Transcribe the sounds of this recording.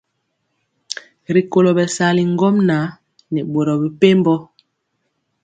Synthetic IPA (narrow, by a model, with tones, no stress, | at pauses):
ɾi˨ko˨lo˨bɛ˨sa˨˦li˨ŋ˦ɡɔ˦mna˨˦ | nɛ˨ɓo˨ɾɔ˨bi˨pe˦m˦bɔ˦